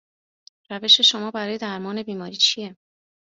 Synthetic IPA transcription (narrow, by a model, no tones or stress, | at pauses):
ɾæve̞ʃe̞ʃo̞mɒːbæɾɒːje̞d̪æɾmɒːne̞biːmɒːɾiːt͡ʃʰije̞